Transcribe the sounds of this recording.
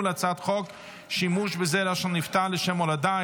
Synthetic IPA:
lat͡satχɔk | ʃimuʃbəzɛɾaʃɔniftaləʃɛmɔlada

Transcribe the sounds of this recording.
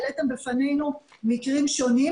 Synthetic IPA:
let̪embefane̞jnumikʁimʃo̞ni

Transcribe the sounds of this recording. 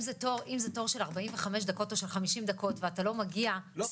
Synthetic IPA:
zetoʁʔimzetoʁʃe̞laʁbaimveχameʃdako̞to̞ʃe̞lχamiʃimd̪ako̞tveatalo̞maɡia

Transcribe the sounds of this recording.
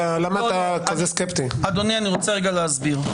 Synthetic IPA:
alamat̪akazeskept̪iad̪onianiʁo̞t͡seʁeɡaleazbiʁ

